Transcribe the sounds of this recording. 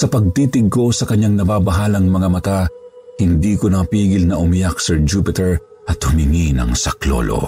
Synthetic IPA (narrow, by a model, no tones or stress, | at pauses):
sɐpɐɡ̚t̪iːt̪ɪɡ̚ko̞sɐkɐɲːaŋnɐbaːbɐɦalɐŋmɐŋamɐt̪a | hɪnd̪iːkonɐpiːɡɪlnɐʔʊmijak̚sɛɹd͡ʒuːpɪt̪ɛɹ | ʔɐt̪hʊmɪŋinɐ̰ŋsɐklo̰lo̰